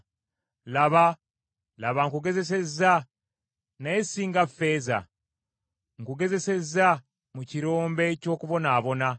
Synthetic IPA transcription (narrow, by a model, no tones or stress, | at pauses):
laβa | laβaŋkuɡe̞ze̞s̬e̞zːa | najesiːŋɡafe̞ːza̰ | ŋkuɡe̞ze̞se̞za | muciɾo̞ːmbe̞co̞ːkuβo̞naːβo̞na